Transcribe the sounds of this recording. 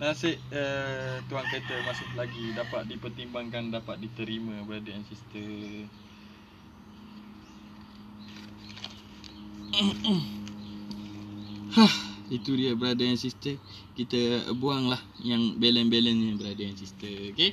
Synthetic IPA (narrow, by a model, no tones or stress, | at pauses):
nasɪʔət̪uaŋt̪et̪əmasɪhlaɡidapat̪̚dipərt̪imbaŋkandapat̪̚dit̪əɾimə̃bəɾadajansist̪ə | hahit̪udiəbəɾadəjansist̪ə | kit̪ə̰buaŋlahjaŋbelɛnbelɛnɲabəɾadajaŋsist̪əoke